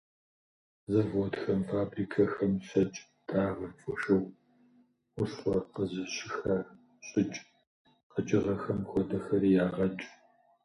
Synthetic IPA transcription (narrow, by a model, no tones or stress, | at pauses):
zɐvɔdxɐmfaːbriːkʰɐxɐmɕɐt͡ʃʼ | d̥ʰaːʁɐt͡sʼɔʃɐwʷ | ʊɕχʷɔqəzɨɕɪxɐ | ɕʼɪt͡ʃʼ | qəd͡ʒʼɪʁɐxɐmxʷɔdɐxɐɾiːjaːʁɐt͡ʃʼ